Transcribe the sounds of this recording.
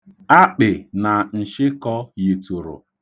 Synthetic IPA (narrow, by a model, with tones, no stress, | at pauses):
a˦k͡pɪ˨na˨n̩˨ʃɪ˦kɔ˦je˨tu˨ɾʊ̰˨